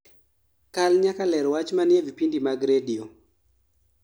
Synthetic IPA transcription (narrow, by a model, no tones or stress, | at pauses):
kalɲakalɛɾwat͡ʃmanɪɛvipindimaɡɾedio